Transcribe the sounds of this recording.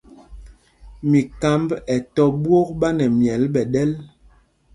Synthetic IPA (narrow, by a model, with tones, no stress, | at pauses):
mi˨ka˨˦mbɛ˨tɔ˦ɓwo˦k̚ɓa˦nɛ˨mjɛ˨˦lɓɛ˨ɗɛ˦l